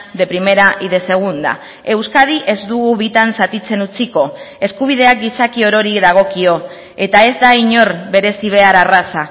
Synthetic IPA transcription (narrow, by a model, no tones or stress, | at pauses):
d̪e̞pɾime̞ɾaʔiðe̞se̞ɣ̞und̪a̰ | e̞wskað̞iʔe̞zd̪uɣuβit̪ansat̪it͡se̞nut͡siko̞ | e̞skuβ̞ið̞e̞ak̚ɡ̪isakio̞ɾo̞ɾiðaɣ̞o̞kio̞ | e̞t̪ae̞zd̪aiɲo̞ɾβe̞ɾe̞siβ̞e̞aɾarasa